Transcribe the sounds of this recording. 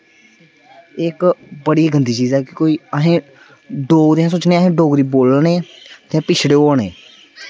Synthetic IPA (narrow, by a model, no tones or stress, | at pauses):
ɪkbəɽiːɡənd̪iːt͡ʃiːzɛːkɪkoːiːəɦẽː | ɖoːɡɾeãːsoːt͡ʃnẽːaɦẽːɖoːɡɾiːboːlnẽːt̪ãːpɪt͡ʃʰɽeːoːneː